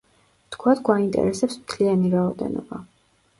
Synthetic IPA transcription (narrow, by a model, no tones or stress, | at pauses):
t̪kʰwat̪ʰɡwaint̪ʼɛ̰ɾɛsɛpsmt̪ʰlianiɾaɔd̪ɛ̰nɔ̰ba